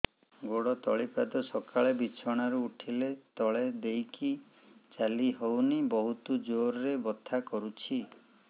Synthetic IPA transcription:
ɡoɽɔt̪ɔɭipad̪ɔsɔkʰaɭebit͡ʃʰɔɽ̃aɾuːʈʰilet̪ɔɭed̪ejki | t͡ʃaliɦownibɔɦut̪ud͡ʒoɾɾebɔt̪ʰːakɔɾut͡ʃʰi

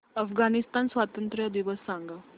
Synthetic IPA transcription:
əfɡanist̪ansʋat̪ənt̪ɾd̪iʋəsːãŋɡa

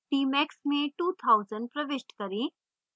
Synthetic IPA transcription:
ʈiːmɛksmẽʈuːt̪ʰaʊzə̃ɳɖ̚pɾɐʋɪʃʈkɐɾĩː

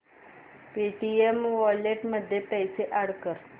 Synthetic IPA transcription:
piʈiemʋɔleʈməd̪ʱːjepəjseʔaɽkəɾ

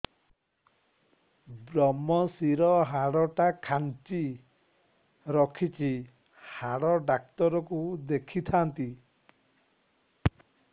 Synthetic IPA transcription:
bɾɔmɔsiɾɔɦaɽɔʈakʰant͡ʃi | ɾɔkʰit͡ʃʰi | haɽɔɖak̚t̪ɔɾɔkud̪ekʰit̪ʰant̪i

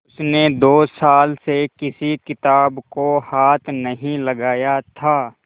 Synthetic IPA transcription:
ʊsned̪oːsaːlsekɪsikɪt̪aːbkohaːt̪ʰnɐɦĩlɐɡaːjat̪ʰaː

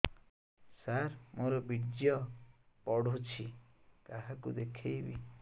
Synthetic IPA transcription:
saɾmoɾɔbiɽd͡ʒjɔ | pɔɽot͡ʃʰi | kaɦakud̪ekʰejbḭ

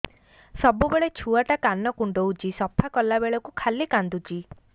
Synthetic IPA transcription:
sɔbubeɭet͡ʃʰuaʈakanɔkuɳɖowt͡ʃisɔpʰakɔlabeɭɔkukʰalikand̪ut͡ʃi

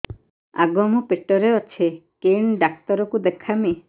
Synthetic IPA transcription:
a̰ɡɔmɔpeʈɔɾeɔt͡ʃʰekeɳɖak̚t̪ɔɾɔkud̪ekʰame

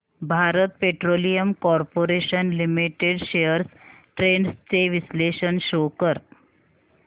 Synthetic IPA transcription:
bʱaɾət̪̚peʈɾolijəmkɔɾpoɾeɕənlimiʈeɖɕejəɾsʈɾeɳst͡seʋisleɕənɕokəɾ

